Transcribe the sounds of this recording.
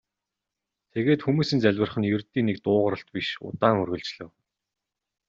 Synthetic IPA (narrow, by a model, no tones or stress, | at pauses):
t̪ʰeɣeːt̪xumuːsɘ̆nt͡sæɮʲwə̆rχə̆njɵrt̪iːnek̚t̪ʊːʁə̆ɾə̆ɬt̪̚piʃʊ̰t̪aːŋɵrɣɵ̆ɮt͡ɕɮɘ̆w